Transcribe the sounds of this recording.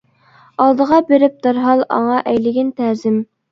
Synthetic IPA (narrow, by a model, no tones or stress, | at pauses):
ɑlˠd̪əʁɑbeɾɪp̚d̪ɑɾɦɑlˠɑ̰ŋɑʔɛjlɪɡʲɪnt̪ʰæɾzɪm